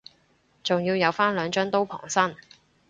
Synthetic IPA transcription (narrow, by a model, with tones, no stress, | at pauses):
t͡sʊ˨ŋjiː˧wjɐ˨˧wfaː˥nlœː˨˧ŋt͡ʃœː˥ŋt̪o˥wpʰɔ̰ː˨˩ŋsɐ˥n